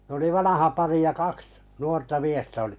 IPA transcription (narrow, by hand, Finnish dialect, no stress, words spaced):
n oli ʋɑnɑhɑ pɑri jɑ kɑks nuortɑ miestæ oli̥